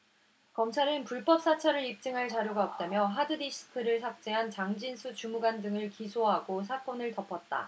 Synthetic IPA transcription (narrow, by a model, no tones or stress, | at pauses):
kʌmt͡ɕʰaɾɯnpuɭp͈ʌp̚s͈at͡ɕʰaɾɯɾip̚t͡ɕ͈ɯŋɦaɭt͡ɕaɾjoɡaʌp̚t͈amjʌɦadɯdiɕʰɯ̥kʰɯɾɯɭsʰak̚t͡ɕ͈eɦant͡ɕaŋd͡ʑinsʰut͡ɕumuɡandɯŋɯɭkisʰoɦaɡos̬ʰak͈ʌnɯɭtʌpʰʌt̚t͈a̰